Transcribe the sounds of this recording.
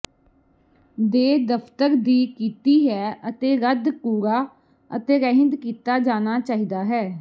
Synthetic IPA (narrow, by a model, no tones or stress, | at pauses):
d̪eːd̪əpʰt̪əɾd̪iːkiːt̪iːɦɛːət̪eːɾəd̪kuːɾaː | ə̰t̪eːɾɛ̃ɦɪ̃nd̪kiːt̪aːd͡ʒaːnaːt͡ʃaːɦiːd̪aːɦɛː